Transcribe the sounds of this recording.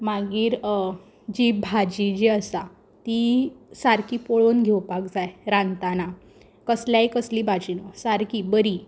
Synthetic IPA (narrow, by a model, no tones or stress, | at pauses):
maɡiːɾ | d͡ʑibʱad͡ʑid͡ʑiəsa | t̪isaɾkiːpoɭonɡʱewpakd͡zajɾãnt̪ana | kəsljajkəsliːbʱad͡ʑinosaɾkibəɾi